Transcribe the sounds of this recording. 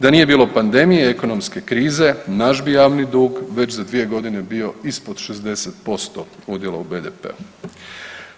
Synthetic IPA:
d̪anije̞biːlˠo̞pand̪e̞mijeeko̞nomske̞kɾiːze̞naʃbijaːʋnid̪uːɡʋe̞t͡ɕzad̪ʋije̞ɡo̞d̪ine̞bio̞ispod̪ʃezd̪e̞set̪̚po̞st̪o̞ud̪jeloubeːd̪epḛu

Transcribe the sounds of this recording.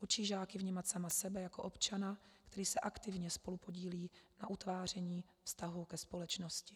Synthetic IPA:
ʔut͡ʃiːʒaːkɪvɲiːmat̪samasɛbɛjako̞ʔo̞pt͡ʃanakt̪ɛɾiːsɛʔakt̪ɪvɲɛspo̞lupo̞ɟiːliːnaʔut̪vaːr̝ɛɲiː | fst̪aɦukɛspo̞lɛt͡ʃnoscɪ̥

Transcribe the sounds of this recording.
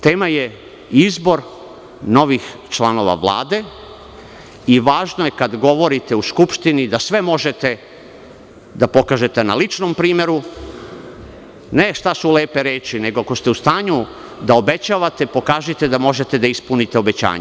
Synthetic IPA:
t̪e̞ːmaje | izbo̞ɾ | no̞ʋixt͡ʃlˠano̞ʋa̰ʋlˠa̰ːd̪e̞ | iʋaːʒnojekad̪ɡo̞ʋo̞ɾit̪e̞uskupʃt̪inid̪asʋe̞mo̞ʒe̞t̪e̞ | d̪apo̞kaːʒe̞t̪e̞na̰lit͡ʃnompɾiːmje̞ɾu | ne̞ʃt̪asuleːpeɾeːt͡ʃine̞ɡoako̞st̪e̞ust̪aːɲu | d̪aobe̞t͡ɕaːʋat̪epo̞kaːʒit̪e̞d̪amo̞ʒe̞t̪e̞d̪aispunit̪e̞obe̞t͡ɕa̰ːɲe

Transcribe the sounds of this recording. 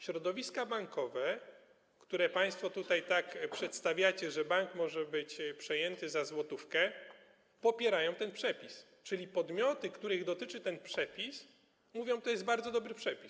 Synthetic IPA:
ɕɾɔd̪ɔvʲiskabaŋkɔvɛ | kt̪uɾɛpaj̃st̪fɔt̪ut̪ajt̪akpʂɛt̪st̪avʲjat͡ɕɛʐɛbaŋkmɔʐɛbɘt͡ɕpʂɛjɛnt̪ɘzazwɔt̪ufkɛ | pɔpʲjɛɾajɔ̃w̃t̪ɛnpʂɛpʲis | t͡ʂɘlʲipɔd̪mʲjɔt̪ɘkt̪uɾɘɣd̪ɔt̪ɘt͡ʂɘt̪ɛnpʂɛpʲis | muvʲjɔ̃w̃t̪ɔjɛsd̪baɾd̪zɔd̪ɔbɾɘpʂɛpʲis

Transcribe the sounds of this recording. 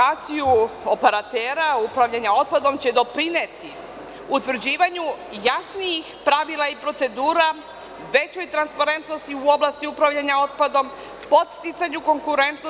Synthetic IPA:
at̪sijuo̞peɾat̪eːɾaupɾaʋʎaɲao̞t̪̚pad̪o̞mt͡ɕe̞d̪o̞pɾinet̪i | ut̪ʋr̩d͡ʑiːʋaɲujasnijixpɾaʋilˠaipɾo̞t̪se̞d̪uːɾa | ʋe̞t͡ɕo̞jt̪ɾanspaɾe̞nt̪no̞st̪iuo̞blˠast̪iupɾaʋʎaɲao̞t̪̚pad̪o̞m | po̞t̪st̪it̪saɲuko̞ŋkuɾe̞nt̪no

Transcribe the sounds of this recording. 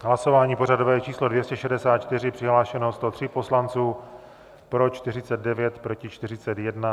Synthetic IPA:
ɦlaso̞vaːɲiːpo̞ɾadovɛːɛt͡ʃiːslo̞dvjɛscɛʃɛdɛsaːt̪̚t͡ʃt̪ɪrɪpr̥ɪɦlaːʃɛnost̪o̞t̪r̝̥ɪpo̞slant͡suː | pɾo̞t͡ʃt̪ɪr̝ɪt͡sɛd̪̚dɛvjɛt̪pɾo̞cɪt͡ʃt̪ɪr̝ɪt͡sɛt̪jɛdna

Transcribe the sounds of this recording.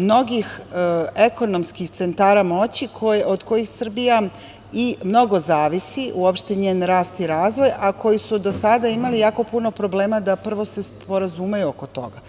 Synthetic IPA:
mno̞ɡixeko̞no̞mskixt̪se̞nt̪aːɾamo̞t͡ɕikʰood̪ko̞jixsr̩bija | imno̞ɡo̞zaːʋisiʔuopʃt̪eɲeːnɾaːst̪iɾaːzʋo̞jakʰo̞jisud̪o̞sad̪aimalijaːko̞puno̞pɾo̞ble̞ːmad̪apr̩ʋo̞se̞spo̞ɾazumejuoko̞t̪o̞̰ɡa

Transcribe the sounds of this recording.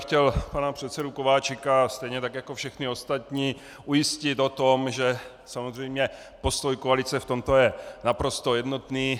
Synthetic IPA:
xcɛlpanapr̝̥ɛt̪sɛdukovaːt͡ʃɪkast̪ɛjɲɛt̪akjako̞fʃɛxnɪo̞st̪at̪ɲiː | ʔujɪscɪt̪o̞t̪o̞mʒɛ | samozr̝ɛjmɲɛ | po̞st̪o̞jkoalɪt͡sɛft̪o̞mt̪o̞jɛnapɾo̞st̪o̞jɛdno̞t̪niː

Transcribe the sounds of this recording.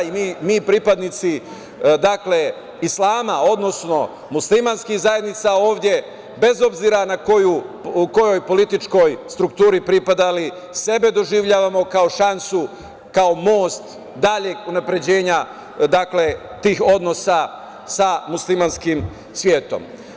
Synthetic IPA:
imiːmiːpɾipad̪nit̪si | d̪akle̞ | islˠaːmao̞d̪no̞sno̞ | muslimanskixzaje̞d̪nit̪sao̞ːʋd̪je̞ | be̞zo̞bziɾanakojuuko̞jo̞jpo̞lit̪it͡ʃko̞jst̪ɾukt̪uːɾipɾipad̪ali | se̞be̞d̪o̞ʒiʋʎaːʋamo̞kao̞ʃansu | kao̞mo̞ːst̪ | d̪aʎeɡunapɾe̞d͡ʑe̞ːɲa | d̪akle̞ | t̪iːxo̞d̪no̞sa | samuslimanskim | sʋje̞ːt̪o̞̰m

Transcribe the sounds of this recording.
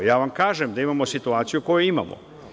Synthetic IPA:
jaːʋamkaːʒemd̪aimamosit̪uaːt̪sijuko̞juima̰mo̰

